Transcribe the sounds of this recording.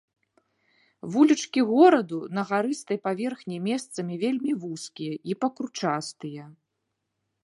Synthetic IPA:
vulʲit͡ʂkʲiɣɔɾɐd̪unɐɣaɾɨst̪ɐjpavʲɛrxnʲimʲɛst̪sɐmʲivʲelʲmʲivuskʲijɐʔipɐkɾut͡ʂast̪ɨjɐ

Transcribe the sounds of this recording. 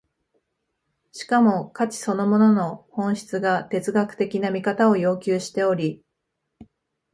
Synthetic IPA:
ɕi̥kamo̞kat͡ɕi̥so̞no̞mo̞no̞no̞hõ̞ɰ̃ɕi̥t͡sɨɡat̪e̞t͡sɨɡakɯ̟̥t̪e̞kʲinamʲikat̪ao̞jo̞ːkʲɨːɕi̥t̪e̞o̞ɾʲi

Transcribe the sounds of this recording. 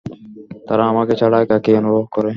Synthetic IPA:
t̪əɾãːəʋãːkʰeːt͡ʃʰəɽaːkaːkeːonʋoːɦkəɾeː

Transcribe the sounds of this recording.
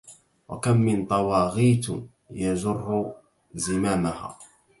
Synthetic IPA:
wa̰kamːɪnt̪ˤɑwɑːɣiːt̪ | jazʊrːʊ | zɪmaːmaha̰ː

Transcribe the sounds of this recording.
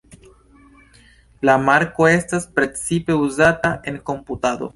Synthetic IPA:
lamaɾko̞e̞staspɾe̞t͡sipe̞uzataʔe̞ŋko̞mput̪ad̪o̞̰

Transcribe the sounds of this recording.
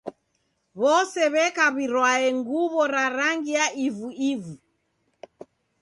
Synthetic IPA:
βɔsɛβɛkaβiɾwaɛŋɡuβɔɾaɾaŋɡijaʔivuivu

